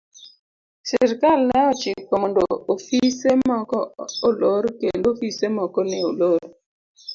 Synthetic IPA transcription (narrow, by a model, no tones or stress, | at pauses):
sɪɾkalnɛɔt͡ʃɪk̚pɔmondoofisemɔkɔoloɾkendofisemɔkɔnɪo̰loɾ